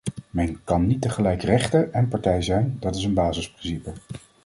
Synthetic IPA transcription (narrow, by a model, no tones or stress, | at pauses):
mɛnkɑnːitəχəlɛjkrɛχtəɹɛnpɑɹtɛjzɛjndɑtɪs̬ənbaːzɪsprɪnsipə